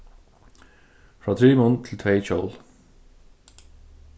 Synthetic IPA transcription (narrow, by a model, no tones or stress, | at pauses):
fɹɑːt̪ʰɹiːmʊnt̪ʰɪlt̪ʰʋeɪt͡ɕɔ̰l